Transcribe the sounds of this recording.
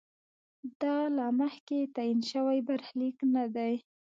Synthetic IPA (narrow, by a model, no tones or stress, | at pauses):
d̪ɑlaməxket̪ajinʃəwajbaɾxliknad̪aj